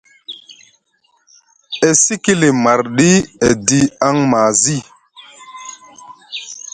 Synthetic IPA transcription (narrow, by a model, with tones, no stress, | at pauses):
e˨si˦ki˦li˨ma˨ɾɗi˦e˨di˦a˦ŋmaː˨zi˦˨